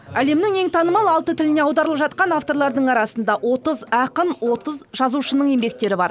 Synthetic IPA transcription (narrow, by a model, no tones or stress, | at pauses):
æle̞mnɪŋe̞ŋt̪ʰɑnəmɑlˠɑlˠt̪ət̪ʰɪlɪne̞ɑwd̪ɑɾəlˠəpʒɑt̪̚qɑnaft̪o̞ɾlˠɑɾd̪əɴɑɾɑsənd̪ɑwo̞t̪əzæqənwo̞t̪əzʒɑzuʃənəɴe̞mbe̞k̚t̪e̞ɾɪbɑɾ